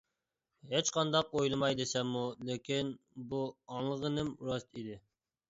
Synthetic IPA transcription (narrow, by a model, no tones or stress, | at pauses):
ɦet͡ʃqʰɑnd̪ɑqojlˠɨmɑjd̪esɛmːulekʲʰin | buɑŋlˠəʁənɪmɾɑst̪id̪ɪ